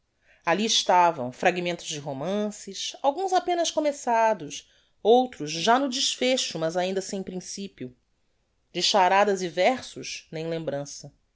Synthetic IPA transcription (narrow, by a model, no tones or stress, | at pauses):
aliɪʃt̪avɐ̰̃w̃fɾaɡimẽnt̪ʊzd͡ʒɪɦomɐ̃sɪʃawɡũzapẽnɐskomesad̪ʊs | owt̪ɾʊzʒanʊd͡ʒɪʃfeʃʊmɐzaĩnd̪ɐsẽj̃pɾĩsipiʊ | d͡ʒɪʃaɾad̪ɐzivɛχsʊʃnẽj̃lẽmbɾɐ̃sɐ